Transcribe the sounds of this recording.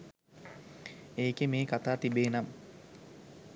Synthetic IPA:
eːkemeːkat̪aːt̪ibeːnam

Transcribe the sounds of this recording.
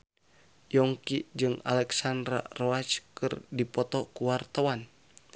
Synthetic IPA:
jɔŋkid͡ʒɨŋa̰lɛksandɾa̰rɔat͡ʃkɨrdipɔt̪ɔkuwart̪awan

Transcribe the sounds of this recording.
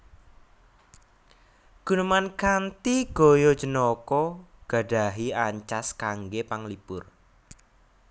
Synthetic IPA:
ɡ̥ṳnumankant̪iɡ̥o̤jɔ̥d͡ʒənɔkɔɡ̥ä̤ɖ̥a̤ɦiaɲt͡ʃaskaŋɡepaŋlipʊr

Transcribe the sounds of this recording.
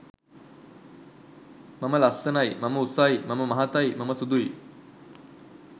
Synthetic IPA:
maməlassənajmaməusajmaməmaɦat̪ajmaməsud̪ui

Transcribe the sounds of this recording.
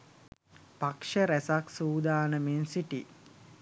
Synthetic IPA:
pakʂəɾæsaksuːd̪aːnəmensiʈi

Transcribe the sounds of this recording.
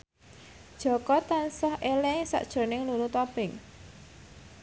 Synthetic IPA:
d̥ʒ̥ɔ̤kɔt̪ansɔhʔelɛŋsa̰ʔd̥ʒ̥o̤nɪŋlulut̪ɔpɪŋ

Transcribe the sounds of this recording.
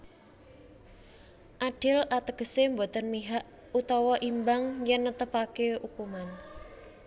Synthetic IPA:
ʔaɖ̥ɪlʔat̪əɡ̥əsembot̪ənmiɦaʔ | ut̪ɔwɔʔimbaŋjɛnːət̪əpakeukuman

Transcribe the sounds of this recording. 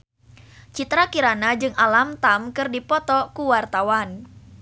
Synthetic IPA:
t͡ʃit̪ɾakiɾanad͡ʒɨŋalamt̪amkɨrdipɔt̪ɔkuwart̪awan

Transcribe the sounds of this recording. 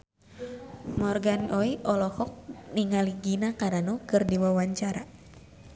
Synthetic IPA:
mɔrɡanʔɔiʔɔlɔhɔk̚niŋaliɡinakaɾanɔkɨrdiwawaɲt͡ʃaɾa

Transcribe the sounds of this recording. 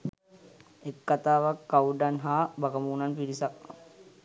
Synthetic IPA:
ekːat̪aːʋakːauɖanɦaːbakəmunanpiɾisak

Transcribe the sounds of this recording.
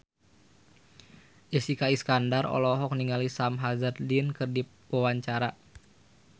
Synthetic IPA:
d͡ʒəsikaiskandarɔ̰lɔɦɔk̚niŋalisamɦazərdinkɨrdipəwaɲt͡ʃaɾa

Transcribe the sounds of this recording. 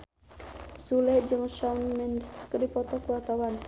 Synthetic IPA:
sulɛhd͡ʒəŋʃamːɛnskədipɔt̪ɔkəwat̪awan

